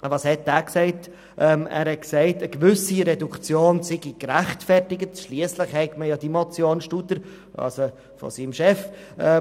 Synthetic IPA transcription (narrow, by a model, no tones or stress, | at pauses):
vɑshɛt̚dæːksɛɪt | ʔɛːmæ̰ːɾhɛt̚ksɛɪtəɡʋʏsiɾɛdukt͡sjoːnsɪɡikɾæχtfɛrtɪɡətʃliəsləχhɛɪɡməjɑdimɔt͡sjoːnʃtutəɾ | ɑ̰lso | fɔ̰simʃɛf | ɛ